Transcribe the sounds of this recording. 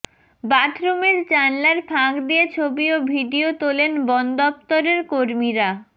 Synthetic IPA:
baʈɾomeɾt͡ɕanlaɾpʰãkd̪ijet͡ɕʰobiobʱiɖiot̪olenbɔnd̪ɔp̚t̪oɾeɾkoɾmiɾa

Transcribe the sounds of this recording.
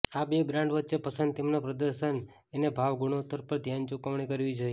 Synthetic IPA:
abebɾãɳɖʋətːʃepəsənd̪̚t̪emnopɾəd̪əɾʃən | enebʱaʋɡuɽ̃ot̪əɾpəɾd̪ʱjant͡ʃukəʋɳ̃ikəɾʋid͡ʒoje

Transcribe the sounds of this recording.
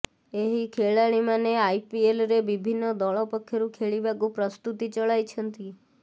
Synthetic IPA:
eɦikʰeɭaɭimãneaipielɾeʋibʱinːod̪ɔɭopəkʰːeɾũkʰeɭibaɡũpɾəst̪ut̪it͡ʃəɭajt͡ʃʰənt̪i

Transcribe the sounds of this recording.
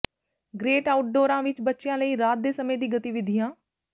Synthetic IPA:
ɡɾeːʈaːʊʈ̚ɖoːɾãːʋɪt͡ʃbətːʃɪjãːləiːɾaːt̪̚d̪eːsəmẽːd̪iːɡət̪iʋɪd̪ʱijãː

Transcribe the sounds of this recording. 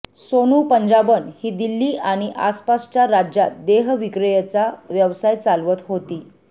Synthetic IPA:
sonuːpəɲd͡ʑabənhiːd̪ilːiːʔaɽ̃iʔa̰spast͡ɕjaɾad͡ʑjat̪d̪eɦʋikɾəjet͡saʋjəʋsajt͡salʋət̪ɦot̪iː

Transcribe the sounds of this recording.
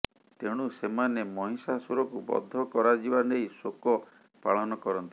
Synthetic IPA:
t̪eɽ̃usemanemɔɦĩsasuɾɔkubɔ̰d̪ʱːɔkɔɾad͡ʒibanejsokɔ | paɭɔnɔkɔɾɔnt̪i̥

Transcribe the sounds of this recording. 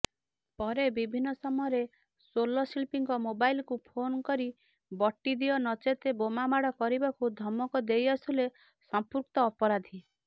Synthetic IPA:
pɔɾebibʱinːɔsɔmɔjɔɾe | solɔsilpiŋkɔmobailkupʰonkɔɾi | bɔʈːid̪iɔnɔt͡ʃet̪ebomamaɽɔkɔɾibakud̪ʱɔmɔkɔd̪ejɔsule | sɔmpuɾkt̪ɔːpɔɾad̪ʱi

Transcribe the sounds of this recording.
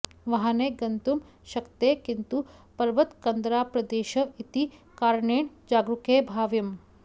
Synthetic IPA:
ʋɐɦaneɡɐnt̪um | ʃɐkt̪eːkint̪upɐɾʋɐt̪kɐnd̪ɾaːpɾɐd̪eːʃɐit̪i | kaːɾɳeːɳ | d͡ʒaːɡɾukeːbʱaːʋjɐm

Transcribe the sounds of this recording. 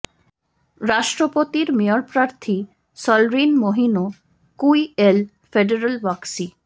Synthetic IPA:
ɾaʃʈɾopot̪iɾmioɾpɾaɾt̪ʰi | sɔlɾinmoɦino | kuiel | feɖeɾalbaksi

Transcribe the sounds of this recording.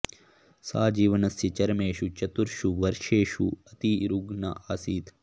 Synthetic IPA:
saːd͡ʒiːʋɐnɐsjɐt͡ʃɐɾmeːʃut͡ʃɐt̪uɾʃuʋɐɾʂeːʃuɐt̪iɾuɡnɐ̰ʔaːsiːt̪ʰ

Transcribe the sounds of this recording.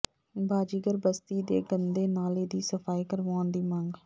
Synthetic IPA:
baːd͡ʒiːɡəɾbəst̪iːd̪eːɡənd̪eːnaːleːd̪iːsəfʰaːiːkəɾʋaːnd̪iːmãːŋɡ

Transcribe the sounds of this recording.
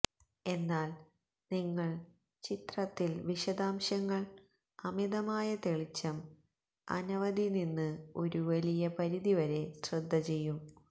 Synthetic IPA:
e̞nːaːl | niŋːɐɭ | t͡ɕit̪rɐt̪ːilʋiɕɐd̪aːmɕɐŋːɐɭ | ɐmiðɐmaːjɐt̪e̞ɭit͡ɕːɐm | ɐ̰nɐʋɐd̪ininːɨo̞ɾuʋɐlijɐpɐɾiðiʋɐɾe̞srɨd̪ʱːɐt͡ɕe̞jːum

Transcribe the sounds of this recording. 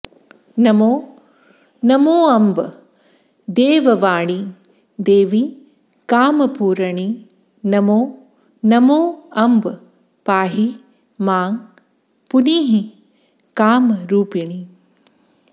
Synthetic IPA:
nɐmoː | nɐmoːɐmb | d̪eːʋɐʋaːɳi | d̪eːʋi | kaːmɐpuːɾɐɳi | nɐmoː | nɐmoːɐmb | paːɦi | maːŋ | puniːɦi | kaːmɾuːpiɳ̃i

